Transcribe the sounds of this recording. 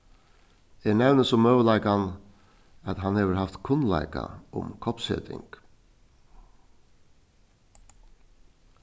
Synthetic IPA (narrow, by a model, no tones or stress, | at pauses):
ɛɳɛʋnəsɔmːœːʋəlaɪkan | at̪ɦanheːʋəɾhaft̪kʰʊnla̰ɪka̰ʊ̰mkʰɔpshḛːt̪ɪ̰ŋk